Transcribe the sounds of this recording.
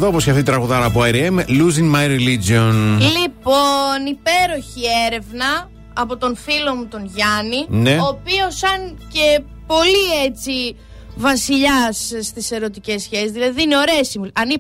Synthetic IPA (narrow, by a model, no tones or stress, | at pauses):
ðooposçɐθit̪ɾɐɣuðɐɾɐːpoɐjɾiemluzinmajɾelid͡ʒionliponipe̞ɾo̞çieɾe̞vnɐː | po̞t̪o̞nfilo̞mut̪o̞nʝɐnineopio̞sɐnce̞ | po̞liet͡si | vɐsiʎɐsst̪ise̞ɾo̞t̪ice̞sçe̞sizðilɐðiiineo̞ɾesimɐni